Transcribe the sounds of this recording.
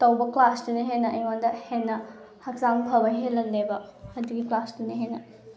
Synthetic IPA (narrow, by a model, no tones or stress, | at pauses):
tɐwbɐklasduniɦenɐʔɐjŋandɐhenːɐ | hɐk̚zaŋbʱɐbɐɦelɐllebɐɐduɡiklasduniɦenɐ